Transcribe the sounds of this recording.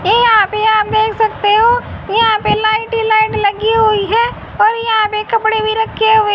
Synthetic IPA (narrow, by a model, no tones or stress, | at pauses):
jejɐɦãpeaːp̚d̪eːkʰsɐkt̪eɦojɐɦãpelaːɪʈilaːɪʈlɐɡiɦʊiɦɛː | ɔːɾjɐɦãpekɐpɽebʱiɾɐkʰeɦoe